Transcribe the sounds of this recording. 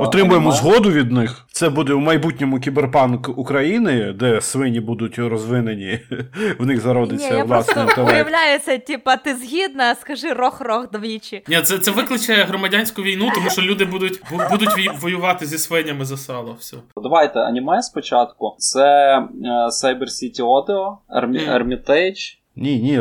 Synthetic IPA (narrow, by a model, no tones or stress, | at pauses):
ɔt̪ɾɪmʊjemɔzɦɔd̪ʊʋʲid̪nɪxt̪sɛbud̪ɛumɐjbutʲnʲɔmʊkʲiberpɑnkukɾɐjinɪd̪ɛsʋɪnʲibud̪ʊtʲɾɔzʋɪnenʲiwnɪɣzɐɾɔd̪ɪt͡sʲɐʋlˠɑsɪɐjɐʋlʲajʊt͡sʲːɐtʲipɐt̪ɪzɦʲid̪nɐskɐʒɪrɔxrɔxd̪ɐʋʲit͡ʃɪnʲɛt̪sɛt̪sɛʋɪklˠɪt͡ʃɐjɛɦɾɔmɐdʲanʲsʲkʊʋʲijnut̪ɔmuʃɔlʲud̪ɪbud̪ʊtʲbubud̪ʊtʲʋiʋɔjʊʋɑt̪ɪzʲisʋɪnʲɐmɪzɐsɑlˠɐwsʲɔd̪ɐʋɑjt̪ɛɐ̰nʲimɑjspɔt͡ʃɑt̪kʊt̪sɛ | sajbersʲitʲiɔd̪eɔɐ̰rmʲɐrmʲit̪ɛt͡ʃ | nʲinʲi